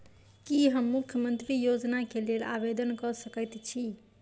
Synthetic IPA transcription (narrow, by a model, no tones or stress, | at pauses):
kiɦəmːukʰjəmənt̪ɾijod͡ʒnakelela̰bed̪ənkɔsəkəjt̪t͡ʃʰi